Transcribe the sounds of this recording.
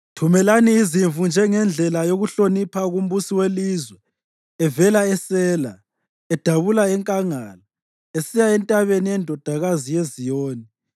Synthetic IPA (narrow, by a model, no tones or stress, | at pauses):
tʰumɛlaniːziɱvund͡ʒʱɛŋɛnd͡ɮʱɛlajoɣuɬonipʰaɣum̩busiwelizwɛː | vɛlaɛsɛːla | ɛd̥ʱaβulaɛŋkʼaŋaːla | esijaɛntʼaβeniɛndʱɔd̥ʱaɣazijezijoːni